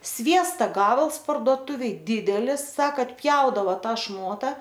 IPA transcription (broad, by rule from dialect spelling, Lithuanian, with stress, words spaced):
ˈsʲʋʲiɛstɐ ˈɡɑːbɐlˠs pɐrduɔˈtʊʋʲeːj ˈdʲɪdʲɛlʲɪs ˈsɑːkɐ ɐtʲˈpʲjɛʊdɐʋoː ˈtɐ ˈʃmoːtɐ